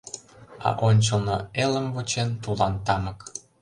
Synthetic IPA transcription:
ɑ̰ʔonʲt͡ɕəlnoeləmvot͡ɕent̪ulɑnt̪ɑmək

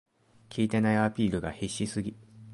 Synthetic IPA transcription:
kʲʰiːt̪e̞naiapʲiːɾɯ̟ɡaheɕːisɨɡʲi

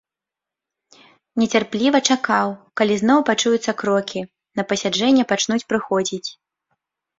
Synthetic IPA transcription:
nʲɛt͡sʲarplʲivɐt͡ʂakawkalʲizn̪ɔwpat͡ʂujut̪sːɐkɾɔkʲi | nɐpɐsʲad͡ʐɛnʲːɛpat͡ʂnut͡sʲpɾɨxɔd͡zʲit͡sʲ

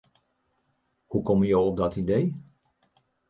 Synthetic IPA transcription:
hukɔməjowɔp̚dɔtidej

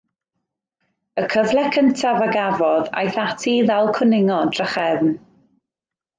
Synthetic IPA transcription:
əkʰəvlˠɛkʰəntʰavaɡavɔða̰jθatʰiðalˠkʰənɪŋɔdrəχɛvn

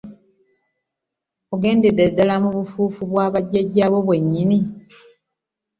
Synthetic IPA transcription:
oɡe̞ːndededalamuβufuːfuβwaːβaɟːaɟaːβo̞βwe̞ɲːini

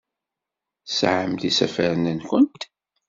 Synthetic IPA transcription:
sʕəmt̪isæ̰fəɾənənkʷʊnt̪

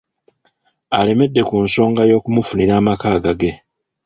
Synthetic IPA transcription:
ale̞me̞dːe̞kunso̞ːŋɡajo̞ːkumufuniɾaːmakaːɡaɡe̞

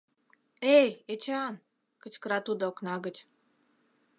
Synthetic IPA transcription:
ejet͡ɕɑn | kə̆t͡ɕkəɾɑt̪ud̪oknɑɣət͡ɕ

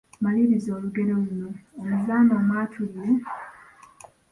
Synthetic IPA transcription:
maliβizo̞ːluɡe̞ɾo̞luno̞ːmuzaːmbamaːtʰuɡe

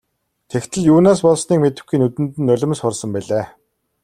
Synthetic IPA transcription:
t̪ʰekt̪ʰɘ̆ɮjuːnaːs̬pɔɮsniːkmet̪ɘ̆xɡiːnut̪ɘ̆nt̪ɘ̆nːɵɮʲɪ̆msχʊrsə̆mpæɮeː

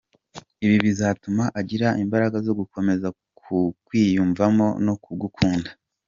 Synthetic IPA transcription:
iβiβizaːtumaʔaɟiɾaʔimbaɾaɡazo̞ɡuko̞me̞za | kukwiːjuːɱvamo̞̰no̞kuɡukʰuːndḁ

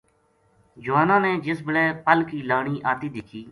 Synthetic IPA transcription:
d͡ʒʊʋaːnãːneːd͡ʒɪs̬bəlɛːpəlkiːlaːɳiːʔaːt̪iːd̪ɪkʰiː

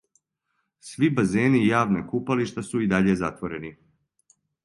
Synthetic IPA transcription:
sʋibazeːnijaːʋnekupaliʃt̪asuid̪aʎe̞zat̪ʋoɾe̞ni

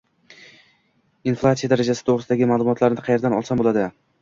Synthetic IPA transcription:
inflˠat̪sijad̪aɾad͡ʒasɪ̥t̪ʰoʁɾɨɪsd̪aɡʲɪmaːlˠʊmɒt̪laɾnɪqʰɑje̞ɾd̪anɒ̰lˠsambolad̪ɪ

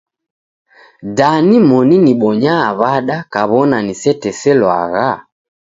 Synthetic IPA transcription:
danimɔniniɓɔɲaːβaɗakaβɔnanisɛtɛsɛlwa̰ɣa

